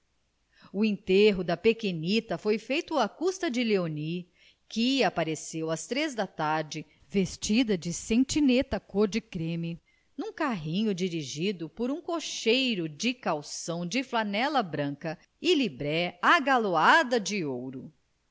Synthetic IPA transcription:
uẽnt̪eɦʊd̪ɐpekenit̪ɐfojfejt̪ʊakust̪ɐd͡ʒɪleoni | kɪapaɾesewɐst̪ɾezd̪ɐt̪aɾd͡ʒɪ | vest͡ʃid̪ɐd͡ʒɪsẽt͡ʃinet̪ɐkoɾd͡ʒɪkɾẽmi | nũkaɦĩɲʊd͡ʒiɾiʒid̪ʊpoɾũkoʃejɾʊd͡ʒɪkawsɐ̃w̃d͡ʒɪflanɛlɐbɾɐ̃ŋkɐ | ɪlibɾɛaɡaload̪ɐd͡ʒɪowɾʊ

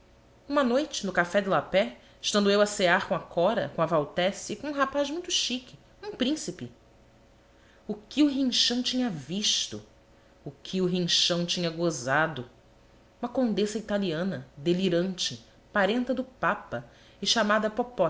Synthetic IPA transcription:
ũmɐnojt͡ʃɪnʊkafɛd̪ɪlapɛ | ɪʃt̪ɐ̃nd̪ʊewɐseaɾkõakʰɔɾɐ̰kõɐvawt̪ɛsikõũɦapaʒmũj̃t̪ʊʃikʲɪ | ũpɾĩsipɪ | ʊkɪʊɦĩʃɐ̃w̃t͡ʃĩɲɐviʃt̪ʊ | ʊkʰɪʊɦĩʃɐ̃w̃t͡ʃĩɲɐɡozad̪ʊ | ũmɐkõnd̪esɐit̪aliɐ̃nɐd̪eliɾɐ̃nt͡ʃɪ | paɾẽnt̪ɐd̪ʊpapɐ | ɪʃamad̪ɐpopɔ

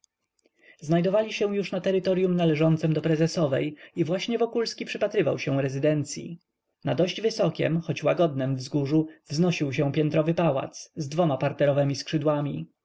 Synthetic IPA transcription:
znajd̪ɔvalʲiɕɛw̃juʂnat̪ɛɾɘt̪ɔɾjumnalɛʐɔnt̪sɛmd̪ɔpɾɛzɛsɔvɛ̰jivwaɕɲɛvɔkulskʲipʂɘpat̪ɾɘva̰wɕɛ̃ɾɛzɘd̪ɛnt̪sʲjḭ | nad̪ɔɕd͡ʑvɘsɔkʲɛ̰mxɔt͡ɕwaɡɔd̪̚nɛmvzɡuʐuvznɔɕiwɕɛ̃w̃pʲjɛnt̪ɾɔvɘpawa̰t̪szd̪vɔmapaɾt̪ɛɾɔvɛmʲiskʂɘd̪wamʲi

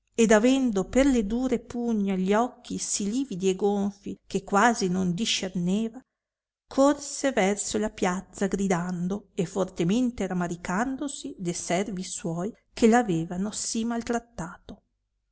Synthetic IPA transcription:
ed̪avɛnd̪operled̪uːɾepuɲːaʎɔkʰːisiliːvid̪ieɡoɱfikekːwaːzinond̪iʃerneːva | kʰorsevɛrsolapjat̪sːaɡɾid̪and̪oefort̪ement̪eɾamaɾikand̪osid̪esɛrviswɔːj | kʰelaveːvanosimalt̪ɾat̪ːaːt̪o

